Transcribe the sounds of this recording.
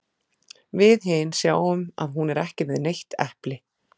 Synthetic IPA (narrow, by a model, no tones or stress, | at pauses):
vɪðɦɪnːsjaːwʏma̰ðɦunɛɾɛhcɪvɪðnejht̪ɛhplɪ